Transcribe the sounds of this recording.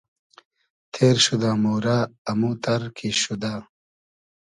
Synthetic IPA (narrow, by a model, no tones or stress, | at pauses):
t̪ʰeːɾɕud̪aːmoːɾaːmut̪ɐɾkʰiɕud̪a